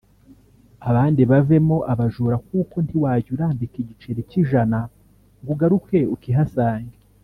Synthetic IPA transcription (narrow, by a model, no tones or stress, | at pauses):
aβaːndiβave̞mo̞ʔaβaʒuɾak̚uːko̞ntiwaːɟuɾaːmbikiɟit͡ʃe̞ɾeciʒana | ŋɡuɡaɾuke̞ukiɦasaːɲɡe